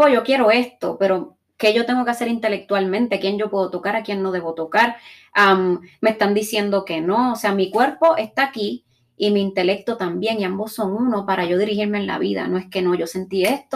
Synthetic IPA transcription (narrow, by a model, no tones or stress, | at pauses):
oʝo̞kje̞ɾo̞e̞st̪o̞̰pe̞ɾo̞ | ke̞ʝo̞t̪e̞ŋɡoke̞ase̞ɾint̪e̞le̞k̚t̪walmẽ̞nt̪eakje̞ŋɟ͡ʝo̞pwe̞ðot̪o̞kaɾakjennːo̞ðe̞βot̪o̞kaɾ | amːe̞st̪and̪isje̞nd̪o̞ke̞no̞ːse̞amikwe̞ɾpo̞ʔe̞st̪aki | imeint̪e̞le̞k̚t̪o̞t̪ambje̞ŋiambo̞sːo̞ŋunopaɾaʝo̞ðiɾihiɾmeenla̰βiða̰no̞e̞ske̞no̞ʝo̞se̞nt̪ie̞st̪o